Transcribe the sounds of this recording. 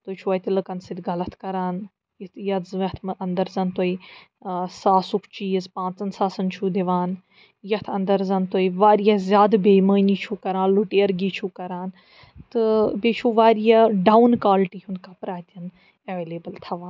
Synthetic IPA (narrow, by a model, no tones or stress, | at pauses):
t̪ot͡ʃʰuɐːt̪ʲilɨkɐnsit̪ʲɡɐlɐt̪ʰkɐɾaːn | jit̪ʰjɐt̪zɐt̪ʰmʔɐnd̪ɐɾzɐnt̪oi | saːsukʰt͡ʃiːzpãːnt͡sɐnsaːsɐnt͡ʃʰud̪iʋaːn | jɐt̪ʰɐnd̪ɐɾzɐnt̪oiʋaːɾijazʲjaːd̪beːməːniːt͡ʃʰukɐɾãːnluʈeːɾɡiːt͡ʃʰukɐɾaːn | t̪ɨbeːt͡ʃʰuʋaːɾijaɖaːwnkaːlʈiːɦunkapɾaːt̪ʲɐn | ɐʋeːleːbəlt̪ʰɐʋaːn